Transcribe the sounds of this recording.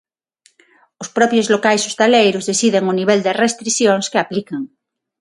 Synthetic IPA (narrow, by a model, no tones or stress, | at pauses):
ospɾɔpjozlokajsost̪alejɾozðesiðeŋoniβ̞eld̪erest̪ɾiθjoŋskeaplikeŋ